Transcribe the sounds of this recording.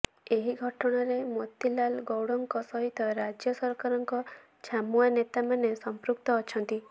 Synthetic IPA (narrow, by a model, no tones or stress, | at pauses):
eɦiɡʱɔʈɔɽ̃aɾemot̪ilalɡɔwɽɔŋkɔsɔɦit̪ɔɾad͡ʒjɔsɔɾkaɾɔŋkɔ | t͡ʃʰamuanet̪amanesɔmpɾuk̚t̪ɔːt͡ʃʰɔnt̪i